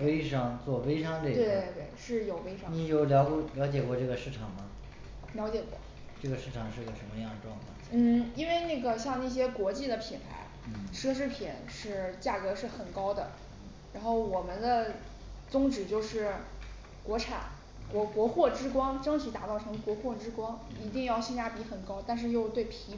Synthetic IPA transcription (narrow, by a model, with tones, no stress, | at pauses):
we˥ɪʂɑ˥ŋt͡swɔ˥˩we˥ɪʂɑ˥ŋle˥˩t̪we˥˧ɪt̪we˥˩ɪʂɻ̩˥˩jo˨˩ʊfe˥ɪʂni˨˩jo˥˩ʊljɑ˧˥ʊkljɑ˧˥t͡ɕjɛ˨˩kwɔ˥˧ʈ͡ʂɤ˥˩ɡə˩ʂɻ̩˥˩ʈ͡ʂʰɑ˨˩ŋmɐ˦ | ljɑ˧˥ʊt͡ɕjɛ˨˩kwɔ̰˥˩˦ | ʈ͡ʂɤ˥˩ɡə˩ʂɻ̩˥˩ʈ͡ʂʰɑ˨˩ŋʂɻ̩˥˩˧ə˩ə˧˥nmə˧jɑ˥˩ŋd̪ə˩ʈ͡ʂwɑ˥˧ŋkʰɑ˥˩ŋn̩˥˩i˥nwe˥˧ɪna˥˩ɡə˩ɕjɑ˥˧ŋna˥˩ɕ̬jɛ˥kwɔ˧˥t͡ɕi˥˩d̪ə˩pʰi˨˩npʰa̰˧˥ɪ˩ʂɤ˥ʂ̬ɻ̩˥˩pʰi˨˩˦nʂɻ̩˥˩t͡ɕja˥˩kɤ˧˥ʂɻ̩˥˩xə˨˩nkɑ˥ʊd̪ə̰˨ | ɻa˧˥nxo˥˩ʊwɔ˨˩mə˧˦nd̪ə˧ | t͡sʊ˥ŋʈ͡ʂɻ̩˨˩t͡ɕjo˥˧ʊʂɻ̩˥˩ | kwɔ˧˥ʈ͡ʂʰa̰˨˩˦n | kwɔ˧˥kwɔ˧˥xwɔ˥˩ʈ͡ʂɻ̩˥kwɑ˥ŋʈ͡ʂɤ˥ŋt͡ɕʰi˧˥t̪a̰˨˩t͡sɑ˥˩ʊɤ˧˥ŋkwɔ˧˥xwɔ˥˩ʈ͡ʂɻ̩˥kwɑ˥ŋi˧˥t̪i˥˧ŋjɑ˥˧ʊɕi˥˧nja˥pi˧˥xə˨˩nkɑ˥ʊt̪a˥˧nʂ̬ɻ̩˥˧jo˥˧ʊt̪we˥˩ɪpʰi˧˥